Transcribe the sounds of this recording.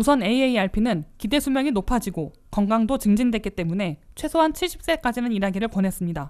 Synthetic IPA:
usʰʌne̞ieiaɭpʰinɯnkide̞sʰumjʌŋinopʰad͡ʑiɡo | kʌŋɡaŋdot͡ɕɯŋd͡ʑindwe̞t̚k͈it͈e̞mune̞t͡ɕʰwe̞sʰoɦant͡ɕʰiɭɕ͈ʰi̥p̚s͈e̞k͈ad͡ʑinɯniɾaɡiɾɯɭponɦe̞s͈ɯmɲida

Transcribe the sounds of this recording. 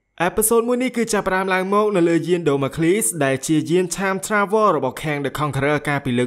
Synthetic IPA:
ʔaɛpʰesoːt̪̚muəjnihkɨːt͡ɕapːə̆ɗaəmlaəŋmɔːk̚nɨwləːjiənɗoːmakʰliːsɗaɛlt͡ɕiəjiənt͡ɕʰaːmt͡ɕʰraːʋɔːrɔɓɑhkʰɛ̆əŋɗɨkʰɑŋkʰrəːkaːpiːlɨː

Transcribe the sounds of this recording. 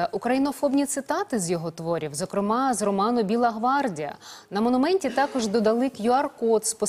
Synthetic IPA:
ʔukɾɐjinɔfɔbnʲit̪sɪt̪ɑt̪ɪzʲjɔɦɔt̪ʋɔɾʲiwzɔkɾɪmɑzrɔmɑnʊbʲilˠɐɦʋɑrdʲijɐ̰nɐmɔnʊmɛnʲtʲit̪ɑkɔʒd̪ɔd̪ɐlˠɪkjʊɐrkɔt̪spɔ

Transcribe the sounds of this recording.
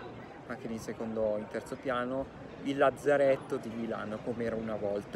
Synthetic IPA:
aŋkːeninsekond̪oint̪ɛrt̪sopjaːno | ilːad̪zaɾɛt̪ːod̪imila̰ːnokomeɛːɾaunavɔlt̪a

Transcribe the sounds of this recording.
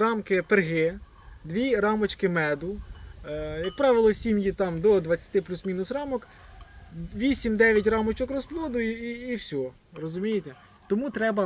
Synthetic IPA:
rɑmkɪperɦɪ | d̪ʋʲiɾɑmɔt͡ʃkɪmɛd̪ʊ | jɐk̚pɾɑʋɪlˠɔsʲimjit̪ɑmd̪ɔd̪ʋɐt͡sʲːɐ̥t̪ɪplʲusmʲinʊsrɑmɔk | ʋʲisʲimd̪ɛʋʲjɐtʲrɑmɔt͡ʃɔkrɔsplˠɔd̪ʊjiːwsʲɔ | rɔzʊmʲijet̪ɛ | t̪ɔmut̪ɾɛbɐ

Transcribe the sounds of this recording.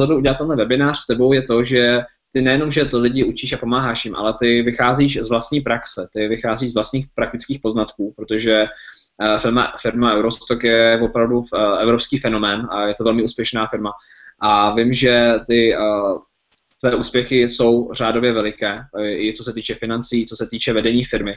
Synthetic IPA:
od̪oʔuɟɛlat̪t̪ːɛnɦlɛvɛbɪnaːr̥st̪ɛbo̞wjɛt̪o̞ʒɛ | t̪ɪnɛjɛno̞mʒɛt̪olɪɟɪut͡ʃiːʃapo̞maːɦaːʃjɪmʔa̰lɛt̪ɪvɪxaːziːʃzvlast̪ɲiːpɾaksɛt̪ɪvɪxaːziːzvlast̪ɲiːxpɾak̚t̪ɪt͡skiːxpo̞znat̪kuːpɾot̪o̞ʒɛ | fɪlma̰fɪɾmaʔɛwɾo̞st̪okjɛvo̞pɾavduɛvɾo̞pskiːfɛno̞mɛːnajɛt̪ovɛlmɪʔuːspjɛʃnaːfɪɾma | ʔavɪmʒɛt̪ɪ | t̪vɛːʔuːspjɛxɪso̞wr̝aːdo̞vjɛvɛlɪkɛːɪt͡so̞s̬ɛt̪iːt͡ʃɛfɪnant͡siːt͡so̞sɛt̪iːt͡ʃɛvɛdɛɲiːfɪɾmɪ

